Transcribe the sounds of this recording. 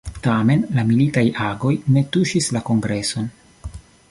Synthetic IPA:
tame̞nlamilitajaɡo̞jne̞tuʃislako̞ŋɡɾe̞so̞n

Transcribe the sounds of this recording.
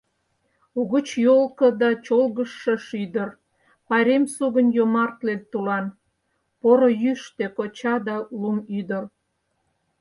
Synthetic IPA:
uɣət͡ɕjolkə̆d̪ɑt͡ɕolɣəʃːəʃyd̪ər | pɑɾʲemsuɣənjomɑrt̪lent̪ulɑn | poɾojyʃt̪ekot͡ɕɑd̪ɑlumyd̪ər

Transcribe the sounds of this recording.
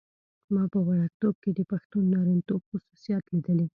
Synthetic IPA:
mɑpəwaɽak̚t̪ob̚ked̪əpaxt̪unːɑɾint̪obxʊsusijɑt̪lid̪əle

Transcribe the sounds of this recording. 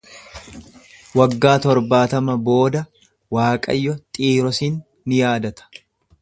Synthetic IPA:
wɐɡːaːt̪ɔɾbaːt̪ɐmɐbo̞ːd̪ɐ | waːkʼɐ̰jːɔt̪ʼiːɾɔsiːnː | ɪjaːd̪ɐt̪ɐ̥

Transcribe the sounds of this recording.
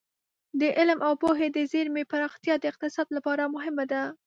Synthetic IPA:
d̪əʔɪlmʔawpoɦed̪əzeɾmepaɾɑxt̪jɑd̪əɪq̚t̪ɪsɑd̪lapɑɾamʊɦɪmad̪a

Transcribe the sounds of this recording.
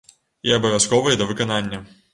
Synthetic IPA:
iɐbɐvʲaskɔvɐjd̪ɐvɨkɐnanʲːɐ

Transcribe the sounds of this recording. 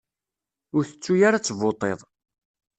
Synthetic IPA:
ʊɾθə̥t͡sːujaɾat͡sːəvot̪ˤeðˤ

